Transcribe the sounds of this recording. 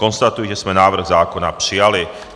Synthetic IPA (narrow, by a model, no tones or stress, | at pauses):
kɔnst̪at̪ujɛʒɛsmɛnaːʋr̩ɣzaːkɔnaprijali